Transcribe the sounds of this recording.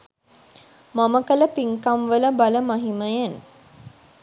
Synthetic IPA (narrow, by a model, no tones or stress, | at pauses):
maməkələpiŋkamʋələbaləmaɦiməjan